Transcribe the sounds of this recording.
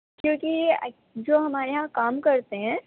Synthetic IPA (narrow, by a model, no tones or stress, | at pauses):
kjõːki | d͡ʒoːɦɐmaːɾeɦãkaːmkɐɾt̪eɦɛ̃ː